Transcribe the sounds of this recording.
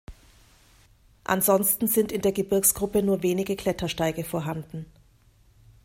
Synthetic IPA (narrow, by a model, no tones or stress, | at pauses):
ʔa̰nzɔnstn̩zɪntɪndeːɐɡəbɪɐksɡ̥ʁʊpənuːɐveːnɪɡəkl̥ɛtʰɐʃtaɪɡəfoːɐɦandn̩